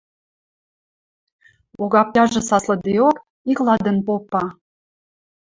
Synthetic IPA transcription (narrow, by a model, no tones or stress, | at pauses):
oɣɑpjɑʒɤ̆sɑslɤ̆d̪eok | iklɑd̪ə̆npopːɑ